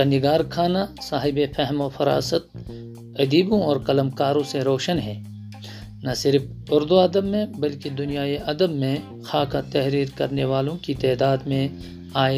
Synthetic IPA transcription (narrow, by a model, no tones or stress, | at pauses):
ɐnɪɡaːɾkʰaːnasaːɦɪbefɛɦmofɐɾa̰ːsət̪̚ | ɐd̪iːbõɔːɾkɐləmkaːɾõseɾɔːʃənɦɛː | nɐsɪɾf | ʊɾd̪uɐd̪əbmẽbɐlked̪ʊnijaːeʔɐd̪əbmẽ | xaːkat̪ɛɦɾiːɾkɐɾneʋaːlõkit̪ɛːd̪aːd̪mẽ | aː